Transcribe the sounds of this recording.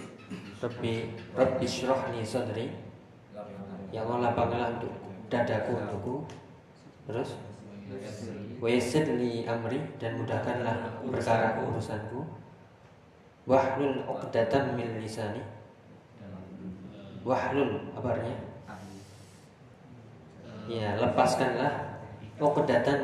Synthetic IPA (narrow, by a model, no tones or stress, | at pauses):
rɑbirɑbiʃɾɔhnisɔnɾi | jaŋlɔlapaŋlaunt̪ʊʔdadakuṵnt̪ʊʔku | t̪əɾʊs | wajsəd̪niʔamɾidanmudahkanlahpərkaɾakəuɾusanku | wahlʊlɔkdat̪anmɪnlisani | wahlʊlabarɲa | jaləpaskanlahɔkdat̪an